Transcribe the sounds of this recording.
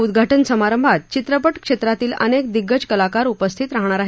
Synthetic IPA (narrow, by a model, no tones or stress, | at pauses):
ud̪ɡʱaʈənsəmaɾəmbʱat̪̚t͡ɕit̪ɾəpəʈkʂet̪ɾat̪iːlə̰nek̚d̪iɡːət͡ɕkəlakaɾupəst̪ʰit̪ɾaɦɳ̃aɾaɦ